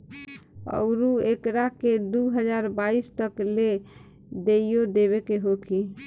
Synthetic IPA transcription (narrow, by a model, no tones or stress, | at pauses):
ə̰ʊɾuekɾaked̪uɦəd͡ʒaɾbaist̪əkle | d̪eijod̪eβekeɦokʰi